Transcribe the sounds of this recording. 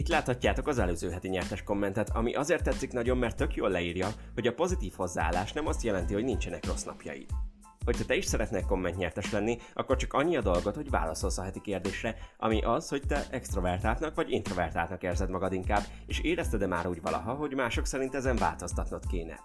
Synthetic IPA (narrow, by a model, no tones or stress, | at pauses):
it̪laːt̪hɒcːaːt̪o̞kɒzɛløːzøːɦɛt̪iɲɛrt̪ɛʃko̞mːɛnt̪ɛt̪ʰɒ̰miʔɒzeːrt̪ːɛt̪sːiknɒɟo̞mːɛrt̪ːøkjoːlːɛiːrjɒho̞ɟɒpo̞zit̪iːfho̞zːaaːlːaːʃnɛmɒst̪jɛlɛnt̪iho̞ɟnint͡ʃɛnɛkro̞snɒ̰pjɒ̰jḭt̪ | ho̞c̚t̪ɛt̪ɛiʃsɛɾɛt̪neɛko̞mːɛnt̪ɲɛrt̪ɛʃlɛnːiɒ̰kːo̞rt͡ʃɒ̥kɒɲːiɒd̪o̞lɡo̞t̪ho̞ɟva̰ːlɒso̞lsɒɦɛt̪ikeːrd̪eːʃrɛʔɒ̰miʔɒsho̞ct̪ɛʔɛkst̪ro̞vɛrt̪aːlt̪nɒkʋɒɟint̪ro̞vɛrt̪a̰ːt̪nɒkeːrzɛd̪mɒɡɒd̪iŋkaːbː | eːʃeːɾɛst̪ɛd̪ɛma̰ːɾuːɟvɒ̰lɒ̰ɦɒɦo̞ɟmaːʃo̞ksɛɾint̪ɛzɛɱva̰ːlt̪o̞st̪ɒt̪not̪keːnɛ̰